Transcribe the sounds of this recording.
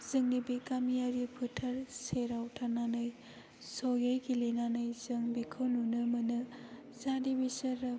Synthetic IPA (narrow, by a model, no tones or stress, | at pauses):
z̥ɯŋnibikamijaɾipʰɯtʰɐɾseɾawtʰananɯj | sojajɡilenanɯjzɯŋbikʰɯwnunɯmɯnɯ | zadibisɐɾɯ